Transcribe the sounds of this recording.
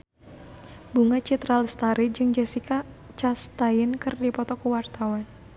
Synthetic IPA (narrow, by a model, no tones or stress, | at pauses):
buŋat͡ʃit̪ɾalst̪aɾid͡ʒɨŋd͡ʒɛsika | t͡ʃast̪ajɪnkɨrdipɔt̪ɔkuwart̪awan